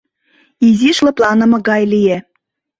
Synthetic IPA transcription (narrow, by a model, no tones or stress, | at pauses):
iziʃlɤ̆plɑnɤ̆mɤ̆ɣɑjlije